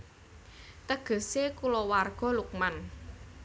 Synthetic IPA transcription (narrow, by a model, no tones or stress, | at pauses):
t̪əɡ̥ə̤sekulowarɡ̥ɔ̤luk̚man